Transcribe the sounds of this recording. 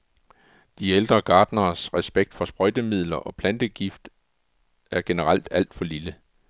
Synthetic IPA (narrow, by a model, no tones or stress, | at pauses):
d̥ield̥ʁɐɡ̥ɑ̈ːd̥nɐːsʁɛsb̥eɡ̥̚d̥fɒ̽sb̥ʁɔ̽ɪd̥əmið̰ˠlɐʔɒ̽pʰlænd̥əɡ̥ifd̥ | æɐɡ̥e̝nəʁal̰d̥æl̰d̥fɒ̽lilə